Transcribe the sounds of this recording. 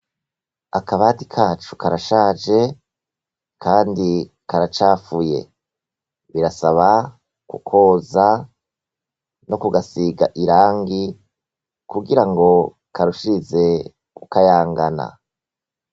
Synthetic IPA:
akaβaːtikʰaːt͡ʃu̥kaɾaʃaːʒe̞ | kʰaːndi | kaɾat͡ʃaːfuje̞̰ | βiɾasaβa | kṵkʰo̞ːza | no̞kuɡasiɡaʔiɾaːŋɡi | kuɡiɾaŋɡo̞ | kʰaɾuʃize̞ | kukajaːŋɡana̰

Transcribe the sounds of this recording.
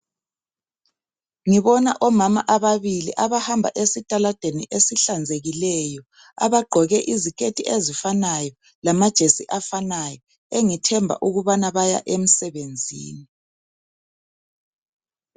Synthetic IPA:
ŋiβɔnaʔɔmama̰ʔaβaβilḭʔaβahambʱa̰ʔesitʼalad̥ʱeniʔesiɬand͡zʱeɣilɛjɔ | a̰βaɡ͡ǃʱɔɣɛʔizikʰetʰʼiʔezifanajɔ | lamad̥ʒ̥ʱesiʔafanajɔ | eŋitʰɛmbʱa̰ʔuɣuβanaβaja̰ʔem̩sɛβend͡zʱḭːni

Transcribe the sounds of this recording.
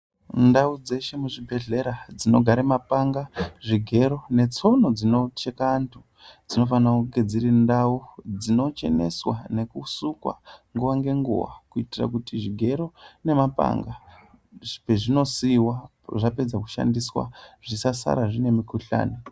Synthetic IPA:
ndaud͡ze̞ʃe̞muʐibʱe̞ɮe̞ɾad͡zino̞ɡʱaɾemapaŋɡaʐiɡʱe̞ɾo̞ne̞t͡so̞no̞d͡zino̞t͡ʃekantʰu | d͡zino̞fanakuɡe̞d͡ziɾindaud͡zino̞t͡ʃe̞̰ne̞̰swa̰ne̞kusukwa̰ŋɡuʋaŋɡe̞ŋɡṵwa̰kuitira̰kutiʐiɡʱe̞ɾo̞ne̞mapa̰ŋɡa | peʐino̞siwa | ʐape̞d͡zakuʃa̰ndiswa̰ʐ̥isasa̰ɾaʐine̞mikuɬa̰ːni

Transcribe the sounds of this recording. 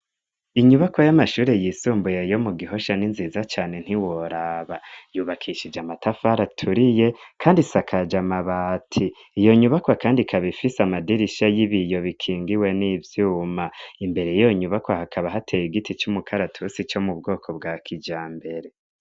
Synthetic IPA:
iɲuβakojamaʃuːɾe̞jiːsuːmbujejo̞muɡiɦo̞ʃaninziːzat͡ʃaːne̞n̥hiwoɾaβajuːβakʰiʃid͡ʒamatafaɾatʰuɾije̞kʰaːndisakʰad͡ʒamaβatʰiː | jo̞ɲuβakoakaːndikʰaβifisamadiɾiʃajiβijo̞βikʰiːŋɡiwe̞nivjuːmaimbe̞ɾe̞jijoɲuβakohakʰaβaɦatʰejiɡitit͡ʃumukʰaɾatʰusit͡ʃo̞mub̚ɡo̞ːkʰo̞bɡaːkʰid͡ʒaːmbe̞ɾe̞

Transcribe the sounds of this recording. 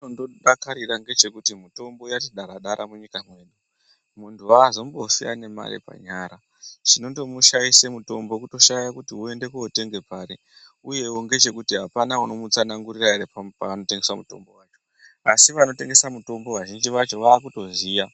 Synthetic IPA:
ondoɗakaɾiraŋɡe̞t͡ʃe̞kutimuto̞mbo̞jatiɗaɾaɗaɾʔamuɲikamwe̞ːɗu | muntʰuaːzo̞mbofia̰ne̞ma̰ɾḛpa̰ɲaːɾa | t͡ʃino̞nto̞muʃajise̞muto̞mbo̞kuto̞ʃajakutiue̞nde̞kuote̞ŋɡe̞paːɾe | uje̞wo̞ŋɡe̞t͡ʃe̞kutiɦapanauno̞mut͡sanaŋɡuriraeɾepapaano̞te̞ŋɡeswamuto̞̰mbowaːt͡ʃo̥ | asiʋano̞te̞ŋɡe̞samuto̞mbo̞waʒind͡ʒiʋat͡ʃo̞ʋaːkuto̞ziːja

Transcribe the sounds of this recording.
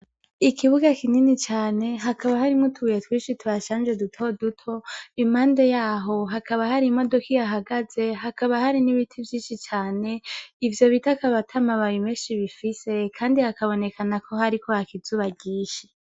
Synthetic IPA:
ikʰiβuɡakininit͡ʃaːne̞ɦakʰaβahaɾimŋotʰuujetwiːʃitʰuaʃaːnd͡ʒe̞dutʰodutʰo̞imaːndejaːɦo̞ɦakaβahaɾimo̞do̞kijaɦaɡaze̞ɦakaβahaɾiniβitʰivjiːnʃit͡ʃaːne̞ivjo̞βitakaβatʰamaβajimeːʃiβifise̞kʰaːndihakaβo̞ne̞kanakʰo̞ɦaɾikʰo̞hakizuβaɟiːʃe̥

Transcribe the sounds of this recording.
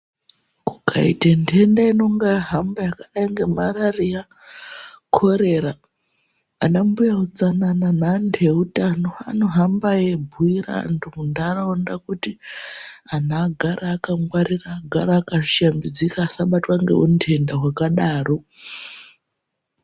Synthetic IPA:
kukʰa̰ḭtentʰe̞ndaino̞ŋɡaɦambajakaɗaiŋɡe̞mararija | kʰo̞ɾe̞raː | nambujaud͡zanananandʰʱeutanoa̰no̞ɦambajebʱuira̰ntuundaraondakuti | an̤aɡʱaɾaːkaŋwaɾiraːɡʱaɾaːkaʃambid͡zikaːsaɓatwaŋɡe̞̰untʰe̞ndaɦwakaɗaːro̞

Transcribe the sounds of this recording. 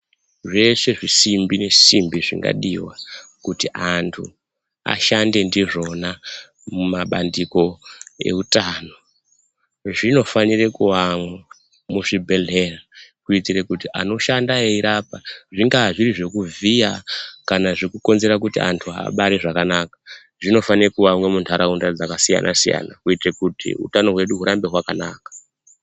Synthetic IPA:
ʐe̞se̞ʐisimbine̞simbiʐḭŋɡa̰ɗḭwakutiʔantʰu | a̰ʃande̞ndiʐo̞na | mumaɓa̰ndiko̞e̞̰utano̞ | ʐino̞fanirekuwamwa | muʐibʱe̞ɮe̞rakuitirekutiʔano̞ʃandaeiɾaːpaʐiŋɡaʐiriʐe̞kuvijakanaʐikuko̞nze̞ɾakutia̰ntʰuɦa̰ːɓaɾeʐakanaːkḁ | ʐino̞fanirekuwamwemuntʰaɾaundad͡zakasija̰nʔa̰sija̰na̰kuitekutḭṵtano̞ɦwe̞ɗuɦuɾambe̞ɦwakana̰ːkḁ

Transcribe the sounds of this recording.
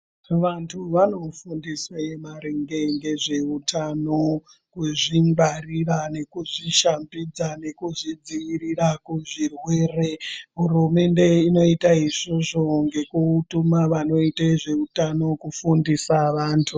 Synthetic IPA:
ʋantʰuʋano̞fundiswaemaɾeŋɡe̞ŋɡe̞ʐe̞utʰano | kuʐiŋɡarirane̞kuʐiʃambid͡zane̞kuʐid͡ziirirakuʐirwe̞ːre̞ɦurume̞nde̞ino̞itaiʐoʐo̞ŋɡe̞kutumaʋano̞itaʐe̞utano̞kufundisaʋaːntʰu

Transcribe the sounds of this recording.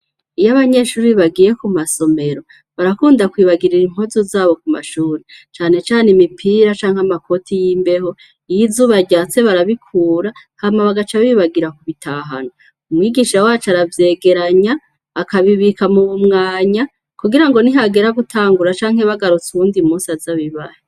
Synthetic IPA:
ijaβaɲe̞ʃuːɾiβaɡiɾe̞kumaso̞me̞ɾo̞ | βaɾakuːndakwiːβaɡiɾiɾim̥hozozaːβo̞kuma̰ʃuːɾet͡ʃaːne̞t͡ʃaːnemipʰiːɾat͡ʃaːŋ̥amakʰo̞tʰijiːmbe̞ɦo̞ | ijizuːβaɟaːt͡se̞βaɾaβikʰuːɾahaːmaβaɡat͡ʃaiβaɡiɾakuβitʰaɦa̰no | umŋiːɡiʃawat͡ʃaɾavje̞ːɡe̞ɾaɲaː | kaβiβikamuβumŋaːɲa | kuɡiɾaŋɡo̞niɦaɡe̞ɾaɡutʰaːŋɡuɾat͡ʃaːŋhe̞βaɡaɾut͡suβuːndimusazaβiβahe

